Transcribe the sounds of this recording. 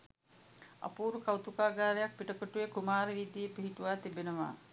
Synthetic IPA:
ɐ̰puːɾukawt̪ukaːɡaːɾejak̚piʈəkoʈujekumaːɾəʋid̪ːiepiɦiʈuʋaːt̪ibenəʋa̰ː

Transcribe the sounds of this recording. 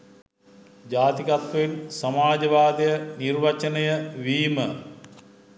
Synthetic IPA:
d͡ʒaːt̪iɡɐt̪ʋɐinsɐmaːd͡ʒɐʋaːd̪ɐjənirʋɐt͡ʃɐnɐjəʋiːmə

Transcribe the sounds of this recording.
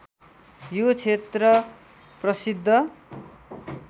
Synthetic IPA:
jot͡sʰet̪rʌ | prʌsid̪ʱːʌ

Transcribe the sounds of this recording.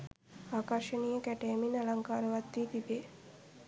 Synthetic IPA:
aːkəɾʃənijəkæʈeminalaŋkaːɾəʋat̪ːiːt̪ibe

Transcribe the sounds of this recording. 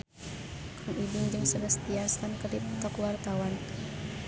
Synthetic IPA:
kʰɔŋidiŋd͡ʒɨŋsələst̪ianst̪ankərdipt̪ɔkwart̪awan

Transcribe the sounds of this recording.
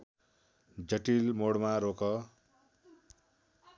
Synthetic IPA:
d͡zʌʈilmoɽmaɾokʌ

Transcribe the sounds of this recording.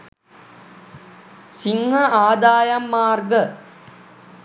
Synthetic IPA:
siŋhɐaːd̪aːjɐmːaːrɡə

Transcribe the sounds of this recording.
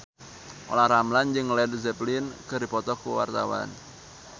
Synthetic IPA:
ʔo̰lahɾamland͡ʒɨŋlɛdzɛplinkərdipɔt̪ɔkuwa̰rt̪a̰wa̰n

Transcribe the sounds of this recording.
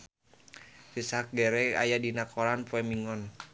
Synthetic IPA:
sisak̚ɡɛɾɛa̰jadinakʰɔlanpuɛmiŋɔn

